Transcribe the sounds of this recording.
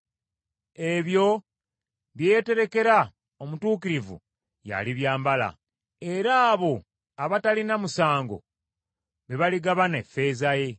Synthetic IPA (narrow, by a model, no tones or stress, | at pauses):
e̞βjo̞ | βjeːte̞ɾe̞ke̞ɾa | omutuːkiɾivṵ | ja̰liβjaːmbala̰ | e̞ɾaːβo̞ | aβatalinamusaːŋɡo̞̰ | βeβaliɡaβanefːe̞ːzaje̞